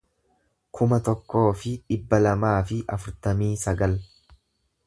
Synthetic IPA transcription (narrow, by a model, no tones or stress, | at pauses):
kʰʊmɐt̪ɔkːo̞ːfɪᶑɪbːɐlɐmaːfɪʔɐfʊɾt̪ɐmiːsɐɡɐl